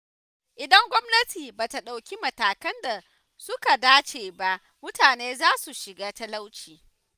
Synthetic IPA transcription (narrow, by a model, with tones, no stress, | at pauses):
ʔɪ˨dɐ˦ŋɡʷɔ˦mnɐ˦tiː˨baː˨ta˨ɗa˨wkʲi˦mɐ˨taː˨kɐ˦nda˨ | sʊ˦ka˨daː˦t͡ʃeː˨ba˦ʔ | mʊ˦taː˨neː˦zaː˦su˨ʃɪ˨ɡaː˦tɐ˦la˦wt͡ʃiː˨